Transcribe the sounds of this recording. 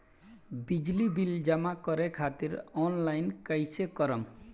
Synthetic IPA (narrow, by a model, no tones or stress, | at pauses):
bid͡ʒlibild͡ʒʌmakʌɾekʰat̪iɾɔnlajnkəjsekʌɾəm